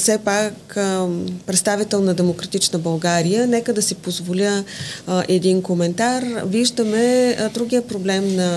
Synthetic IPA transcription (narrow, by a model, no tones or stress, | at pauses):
fsɛpak | pɾɛt̪st̪avit̪ɛlˠnɐd̪ɛmokɾɐt̪it͡ʃnəbɐlˠɡaɾijənɛkəd̪ɐsipozvolʲə | ʔɛd̪inkomɛnt̪aɾviʒd̪əmɛd̪ɾuɡʲijəpɾoblɛmnɐ